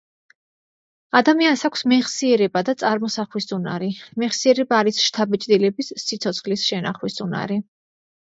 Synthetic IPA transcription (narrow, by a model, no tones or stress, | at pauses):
ad̪amiansakʷʰsmɛχsiɛɾɛbad̪at̪sʼaɾmɔsaχwisʼuna̰ɾimɛχsiɛɾɛbaːɾisʃt̪ʰabɛt͡ʃʼd̪ilɛbisːit̪sʰɔt̪sʰχlisʃɛna̰χwisʼuna̰ɾi